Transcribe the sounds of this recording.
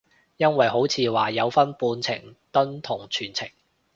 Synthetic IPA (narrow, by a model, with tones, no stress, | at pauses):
jɐ˥nwɐ˨jɦo˨˥wt͡sʰiː˨˧waː˨˩jɐ˨˧wfɐ˥npuː˧nt͡sʰɪ̰˨˩ŋt̪ɵ˥nt̪ʰʊ˨˩ŋt͡ʃʰyː˨˩nt͡sʰɪ˨˩ŋ